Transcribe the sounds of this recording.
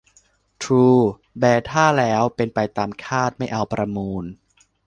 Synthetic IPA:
t̪ʰɾuː˧ | bɛː˧˩t̪ʰaː˥˩lɛː˦˥wpe˧npa˧jt̪aː˧mkʰaː˥˩t̪̚ma˥˩jʔa˧wpɾa˧muː˧n

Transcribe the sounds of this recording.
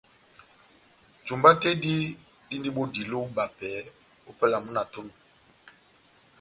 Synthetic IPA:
d͡ʒu˨mba˦te˦di˦ | di˦ndi˦ɓo˦di˨lo˦ba˨pɛ˨˦ | o˦pə˦la˨mu˦na˨to˦nu˨

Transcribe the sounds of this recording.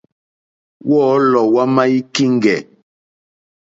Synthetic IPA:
wɔː˦˨˦lɔ˨wa˦ma˦i˦ki˦ŋ˦ɡɛ˨

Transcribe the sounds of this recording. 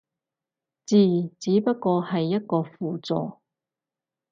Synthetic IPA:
t͡siː˨˩t͡siː˨˥pɐ˥t̚kɔː˧hɐ˨jːɐ˥t̚kɔː˧fuː˨t͡sɔ̰ː˨

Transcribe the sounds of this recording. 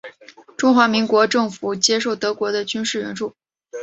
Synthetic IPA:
ʈ͡ʂʊ˥ŋxwa˧˥mi˧˥ŋkwɔ˧˥ʈ͡ʂɤ˥˩ŋfu˨˩t͡ɕjɛ˥ʂo˥˩ʊt̪ɤ˧˥kwɔ˧˥d̪ə˧t͡ɕy˥nʂɻ̩˥˩ɻə̰˧˥nʈ͡ʂu˥˩

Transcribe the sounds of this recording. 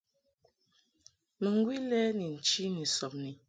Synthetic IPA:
mə˨ŋ˦ɡwi˦lɛ˦ni˨n̩˨t͡ʃi˦ni˨sɔ˨p̚ni˨

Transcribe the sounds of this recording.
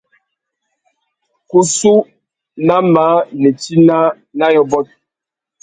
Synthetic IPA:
ku˨su˦ | na˦ma˨˦ne˨ti˦na˦ | na˦jɔ˦bɔ˦t̚

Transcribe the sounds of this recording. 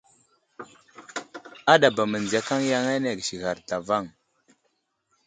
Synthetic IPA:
a˦ɗa˨ba˨mə˨nd͡zi˨a˦ka˦ŋja˦ŋa˦ne˨ɡʃi˨ɣa˨ɾta˨va˦˨ŋ

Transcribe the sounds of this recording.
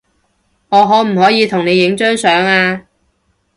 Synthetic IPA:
ŋɔː˨˧ɦɔː˨˥m̩˨˩hɔː˨˥jiː˨˧t̪ʰʊ˨˩ŋne˨˧jɪ˨˥ŋt͡ʃœː˥ŋsœː˨˥ŋaː˧

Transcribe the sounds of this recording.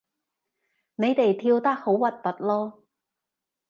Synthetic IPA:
ne˨˧jt̪e˨jt̪ʰiː˧wt̪ɐ˥k̚ho˨˥wwɐ˨t̚pɐ˨t̚lɔː˥

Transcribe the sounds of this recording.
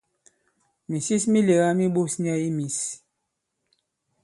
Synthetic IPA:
mi˨si˦smi˦le˨ɣa˦mi˦ɓo˦sni˦a˦i˦mi˨s

